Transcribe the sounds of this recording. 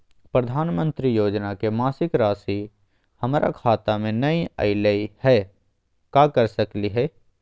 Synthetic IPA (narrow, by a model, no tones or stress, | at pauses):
pɾəd̪ʱaːnmə̃nt̪ɾijoːd͡ʒnakemaːsɪkɾaːsi | həmɾʔa̰kʰaːt̪amẽnɐiə̰ɪləihɛː | kaːkəɾsəkliɦɛː